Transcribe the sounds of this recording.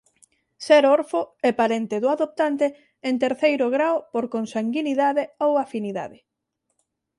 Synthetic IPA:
sɛɾoɾfʊɛpaɾent̪eðʊaðop̚t̪ant̪e | ent̪eɾθejɾʊɣɾawpoɾkonsaŋɡiniðaðeowafiniða̰ðɪ

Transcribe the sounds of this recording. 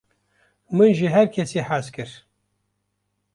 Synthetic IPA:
mɨnʒiɦɛɾkʰɛsiħazkɨɾ

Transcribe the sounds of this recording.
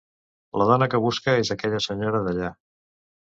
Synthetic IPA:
ləðɔnəkəβ̞uskəezəkɛʎəsəɲoɾəðəʎa

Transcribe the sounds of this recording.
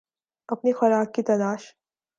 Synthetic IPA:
ɐpnexɐɾaːk̚ːit̪ɐlaːʃ

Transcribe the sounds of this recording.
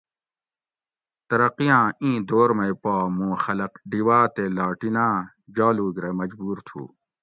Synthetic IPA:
t̪ɐɾɐqijãːĩːd̪oːɾmɐjpaːmũːxɐlɐqɖiwaːt̪elaːʈinãː | d͡ʑaːluːɡɾemɐd͡ʑbuːɾt̪ʰṵː

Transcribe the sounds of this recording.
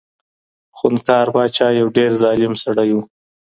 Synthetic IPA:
xunkɑːɾbɑt͡ʃɑjawɖeɾzɑːlɪmsaɽaju

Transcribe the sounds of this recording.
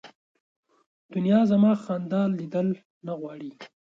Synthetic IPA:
d̪̥ʊnjɑzamɑxand̪ɑlːid̪əl | naɣwɑɽi

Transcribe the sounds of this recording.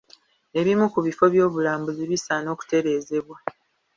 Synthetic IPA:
e̞βimukuβifo̞βjo̞ːβulaːmbuziβisano̞ːku̥te̞ɾe̞ːze̞βwa

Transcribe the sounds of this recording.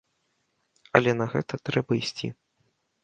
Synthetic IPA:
ɐ̰lʲɛnɐɣɛ̰t̪ɐt̪ɾɛbɐisʲt͡sʲḭ

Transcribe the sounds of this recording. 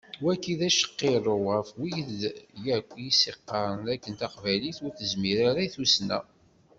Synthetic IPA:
wækːiðæʃə̥qːeɾˤoʁəfwijəd̪jækʷːjiseqːɑɾˤnækːənt̪ɑqvæliθʊɾθəzmiɾaɾæθusnæ̰

